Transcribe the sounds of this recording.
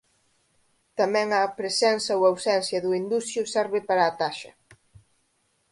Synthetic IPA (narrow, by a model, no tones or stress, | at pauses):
t̪amɛ̃ŋɐpɾesɛnsɐoawsɛnsjɐðuind̪usjʊsɛɾβɪpaɾaːt̪aʃɐ